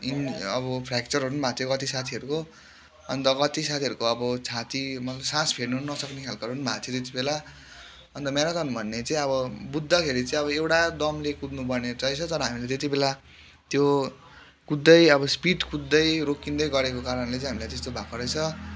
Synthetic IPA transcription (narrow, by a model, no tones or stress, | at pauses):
inʌbʌpʰɾakt͡sʌɾɦʌɾunbʱat̪ʰjokʌt̪isat̪ʰiʌɾuko | ʌnt̪ʌkʌt̪isat̪ʰiʌɾukoʌbʌt͡sʰat̪imʌlsãspʰeɽnunnʌsʌknekʰjalkaɾunubʱajʌt̪et̪̬ibela | ʌnt̪ʌmeɾat̪ʌnbʱʌnːet͡saĩʌβʌbud̪ʱːʌkʰeɾit͡sʌãĩʌβʌewʈad̪ʌmlekud̪nupʌrned͡zʌjt͡sʰʌt̪ʌɾʌɦamilet̪et̪̬ibela | t̪jo | kud̪ːʌjʌbʌspiʈkud̪ːʌjɾokind̪ʌjɡʌɾekokaɾʌnlet͡sʌĩɦamilajt̪est̪obʱakoɾʌjt͡sʰʌ